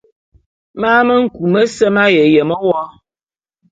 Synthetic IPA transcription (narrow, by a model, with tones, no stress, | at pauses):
maː˦mə˦ŋ̩˨ku˨mə˦sə˦ma˦je˨je˨mɔ˦wɔ˦